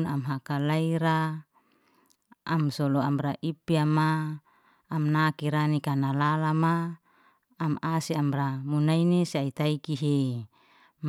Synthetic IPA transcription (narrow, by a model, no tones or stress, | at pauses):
namɦakalaiɾa | msɔlɔamraʔipiamaː | mnakiɾanikanalalamaː | masiamramunainesiait̪aikiɦe | m